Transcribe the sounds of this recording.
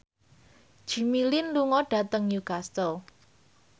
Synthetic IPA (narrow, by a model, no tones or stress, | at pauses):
ʒ̥i̤milɪnluŋɔɖ̥a̤t̪əŋjukast̪əl